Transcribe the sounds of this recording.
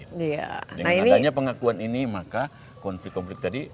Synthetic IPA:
ia̰nənainiaɲapəŋakuaninimaka | kɔnflɪk̚kːɔnflɪk̚d͡ʒadi

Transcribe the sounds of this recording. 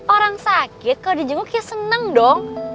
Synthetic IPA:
oɾaŋsakɪt̪̚kadiɲd͡ʒəŋukijasənəŋdɔŋ

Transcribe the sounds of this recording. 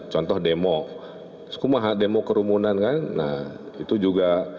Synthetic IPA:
t͡ʃɔnt̪ɔhdemɔ | skumaɦademokəɾumunankanːa̰h | it̪ud͡ʒuɡa

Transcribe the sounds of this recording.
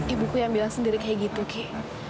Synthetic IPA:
ibukujambilasindiɾikɛɡit̪ukʰɛ

